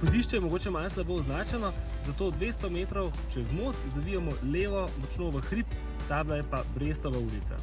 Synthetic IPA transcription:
xɔd̪iʃt͡ʃɛjɛmɔɡoːt͡ʃɛmalslapoːznaːt͡ʃɛnɔ | zat̪oːd̪ʋeːst̪ɔmeːt̪ɾɔw | t͡ʃɛzmost̪zaʋijɛmɔleːʋɔmɔt͡ʃnoːʋəxɾip | t̪aːblajɛpabɾeːst̪ɔʋauːlit̪sa̰

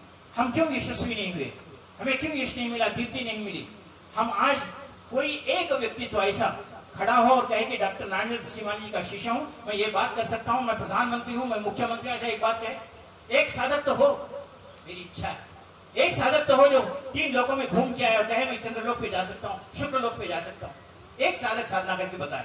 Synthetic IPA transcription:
hɐmkjõːjɪʃwɐsʋinɐɦĩɦuḛː | hɐmẽkjõːjɪʃnɐɦĩmɪlad̪ʱɪɾt̪inɐɦĩmɪlḭː | hɐmaːd͡ʒ | koːiʔeːkʋjɐk̚t̪it̪oɛɪsakʰɐɽaɦoɔːɾkɐɦẽkeɖaːk̚ʈəɾnaːnəd̪siʋaːnd͡ʒikaʃɪʃəɦũmɛ̃jebaːt̪̚kɐɾsɐk̚t̪aɦũmɛ̃pɾɐd̪ʱaːnmə̃nt̪ɾiɦũmɛ̃mʊkʰjəmə̃nt̪ɾimɛɪsaeːk̚baːt̪̚kɐɦẽ | eːksaːd̪ʱət̪ːəɦoː | meːɾiɪtːʃʰaɦɛ̰ | eːksaːd̪ʱət̪ːəɦod͡ʒoːt̪iːnloːkõmẽɡʱũːmkijaɦɛɔːɾkɐɦẽmɛ̃t͡ʃɐ̃nd̪ɾəloːɡ̚ped͡ʒaːsɐk̚t̪aɦũʃʊkɾəloːɡ̚ped͡ʒaːsɐk̚t̪aɦũ | eːksaːd̪ʱəksaːd̪ʱnakɐɾkebɐt̪a̰ːḛ

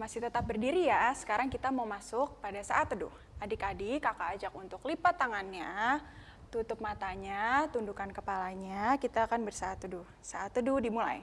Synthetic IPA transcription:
masɪht̪ət̪ap̚bərdiɾijasə̥kaɾaŋkit̪amaumasʊk̚padasa̰ʔat̪ːədʊ̰h | ʔadikadikakaːd͡ʒakunt̪ʊklipat̪ːaŋanɲa | t̪ut̪ʊp̚mat̪aɲat̪undukankəpalaɲakit̪aːkanbərsaːt̪udʊ | saʔat̪ːədudimula̰j

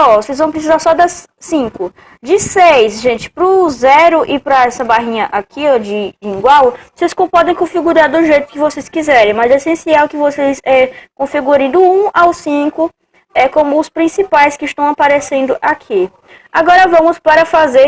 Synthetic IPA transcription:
ɔvosejzvɐ̃w̃pɾes̬izaɾsɔd̪ɐsː | ĩkʊ | d͡ʒɪsejsʒẽnt͡ʃɪ̥pɾʊzɛɾʊʔɪpɾɐɛsɐbaɦĩɲɐʔakʰiɔd͡ʒɪd͡ʒɪĩŋɡwawoseskõpɔd̪ẽj̃kõfiɡuɾaɾd̪ʊʒejt̪ʊ̥kɪvoseskizɛɾẽj̃mɐzesẽsiawkɪvosesɛkõfiɡuɾɐ̃j̃d̪ʊũawsĩkʊ | ɛkõmʊːspɾĩsipajskɪɪʃt̪ɐ̃w̃apaɾesẽnd̪ʊʔakʰi | aɡɔɾɐvɐ̃mʊspaɾɐfaze

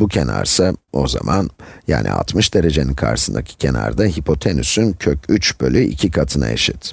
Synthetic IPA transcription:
bucʰenaɾsao̞zamanjaːnʔḭa̰lˠt̪mɯʃd̪e̞ɾe̞d͡ʒe̞ninkʰaɾʃɯ̥sɯnd̪acʰi̥cʰena̰ɾd̪aɦipʰo̞t̪ʰenysyncʰøcyt͡ʃbø̞lʲyʔicʰikʰat̪ʰɯna̰eʃit̪

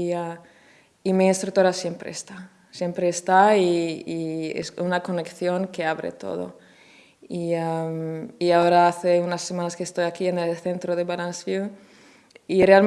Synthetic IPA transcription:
ia | imiinst̪ɾuk̚t̪oɾasjempɾḛːst̪a | sje̞mpɾeːst̪aiiḛsunako̞nekθjo̞ŋkeaβɾḛt̪o̞̰ðo̰ | iamiaoɾaaθeunasːemãnaskeest̪ojakienelθent̪ɾoðeβalansvil | ireal

